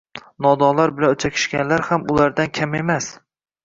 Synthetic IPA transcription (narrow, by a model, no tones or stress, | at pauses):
nɒd̪ɒlaɾbɪlanʊt͡ʃʰakʲʰɪ̥ʃkʲanlaɾhamʊlaɾd̪ankʲʰame̞mas